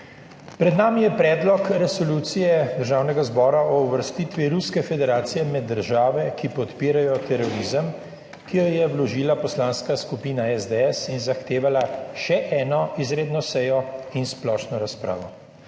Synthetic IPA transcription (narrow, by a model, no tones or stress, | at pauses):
pɾɛd̪naːmijɛpɾɛːd̪lɔkɾɛsɔluːt̪sijɛd̪əɾʒaːwnɛɡazbɔːɾaɔuʋəɾst̪iːt̪ʋiɾuskɛfɛd̪ɛɾaːt̪sijɛmɛd̪ːəɾʒaːʋɛkipɔt̪piːɾajɔt̪ɛɾɔɾiːzəm | kijɔjɛwlɔʒiːlapɔslaːnskaskupiːnaɛzd̪ɛɛsinzaxt̪eːʋalaʃɛʔɛːnɔizɾeːd̪nɔsɛjɔinsplɔːʃnɔɾaspɾa̰ːʋɔ